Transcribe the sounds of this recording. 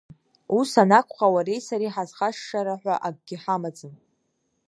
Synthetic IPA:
usanakʷʰʼχawaɾe̞jsaɾiħazχaʂːaɾaħʷᶣaʔaɡ̚ʷɡʲɪħamad͡zɨn

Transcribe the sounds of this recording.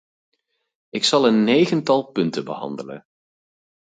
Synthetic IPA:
ɪksɑlˠənːejχəntɑlˠpɵntəbəhɑ̰ndələ̰n

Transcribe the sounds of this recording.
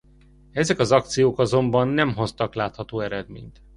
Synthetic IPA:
ɛzɛkɒzɒkt̪sijoːkɒzo̞mbɒnːɛmɦo̞st̪ɒklaːt̪hɒt̪oːɛɾɛd̪mḛːɲt̪

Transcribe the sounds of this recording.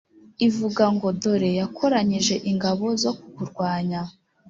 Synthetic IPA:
ivuɡaŋɡo̞do̞ɾe̞jakʰo̞ɾaɲiʒe̞ʔiŋɡaβo̞zo̞kukuɾɡwaːɲa

